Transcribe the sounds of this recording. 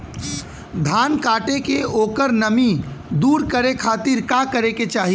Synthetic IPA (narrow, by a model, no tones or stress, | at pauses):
d̪ʱaːnkaːʈekeoːkəɾnɐmid̪uːɾkəɾekʰaːt̪ɪɾkakəɾeket͡ʃaːɦi